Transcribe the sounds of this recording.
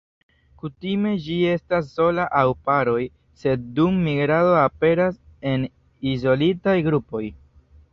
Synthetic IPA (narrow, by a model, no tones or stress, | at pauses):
kutime̞d͡ʒie̞stas̬ːo̞laʔawpaɾo̞j | se̞d̚dumːiɡɾado̞ape̞ɾase̞n | izo̞litajɡɾupo̞j